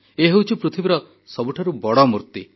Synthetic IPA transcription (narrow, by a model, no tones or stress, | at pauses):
eɦewt͡ʃʰupɾut̪ʰibiɾɔ | sɔbuʈʰaɾubɔɽɔmuɾt̪i